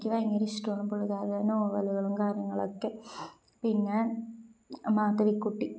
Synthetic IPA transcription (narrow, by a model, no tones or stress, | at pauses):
kʲːɨʋɐjɐŋɡɐɾisʈoːɳumpoɭuɣaːðɐnoːʋɐluɣɐɭumkaːɾjɐŋːɐɭo̰kːe | piŋːaːɳ | maːt̪ːɐʋikːuʈːi